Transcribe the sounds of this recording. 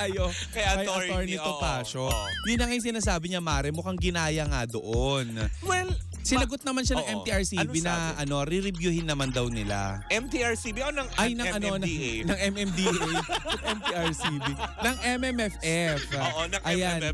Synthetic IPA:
ɐjokɐjakɐjɐt̪oɹnit̪op̪aːʃojʊnːɐŋɐjs̬ɪnaːsaːbɪɲɐmaːɾɛmʊkɐŋɡɪnaːjɐŋad̪oʔonwɛl | sɪnɐɡot̪̚nɐmanʃɐnɐŋʔɛmiʔɐɹsiːbinɐʔɐno̞ɾɪɾɪbjuhɪnːɐmand̪ɐwnɪla̰ʔɛmt̪iaɹsibiɐkonɐŋʔɐjnɐɐnonɐnɐŋʔɛmɛmd̪iʔjʔɛmt̪iʔaɹsibinɐŋʔɛmɛmɛfʔɛfʔnɐŋʔɐjan

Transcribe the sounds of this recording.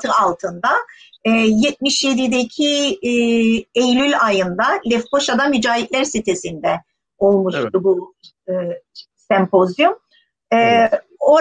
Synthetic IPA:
t̪ʰɯalˠt̪ʰɯnd̪a | ɛjɛt̪̚miʃjed̪id̪ecʰi | ejlʲylʲajɯnd̪alʲɛfko̞ʃad̪amyd͡ʒaːjitlʲæɾsit̪ʰe̞sind̪ɛ | o̞lˠmuʃt̪ubu | sɛmpʰo̞zjum | ɛ | o

